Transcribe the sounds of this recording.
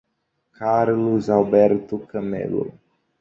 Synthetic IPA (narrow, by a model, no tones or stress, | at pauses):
kʰaɾluzalbɛɾt̪ukəmḛlo̰